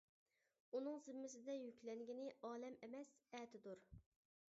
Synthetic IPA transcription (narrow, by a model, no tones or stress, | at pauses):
unɨŋzɪmːɪs̬ɪd̪ɛjykʲlɛŋɡʲinɪʔɑːlɛmɪmɛsɛːt̪ʰɪd̪uɾ